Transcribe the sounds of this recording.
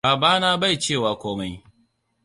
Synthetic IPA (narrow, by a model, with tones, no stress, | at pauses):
aː˨baː˦naː˦ba˦˨jt͡ʃeː˦˨waː˨kʷoː˦ma˦j